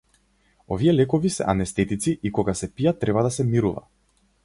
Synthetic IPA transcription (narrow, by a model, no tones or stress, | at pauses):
ɔ̰viɛlɛkɔvisɛ̰ʔanɛst̪ɛt̪it̪siʔikɔɡasɛpijat̪ːɾɛbad̪asɛmiɾuva̰